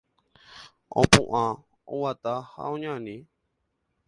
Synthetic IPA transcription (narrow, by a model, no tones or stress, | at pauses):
o̰pṵ̃ʔã | owat̪aha̰õɲãnĩ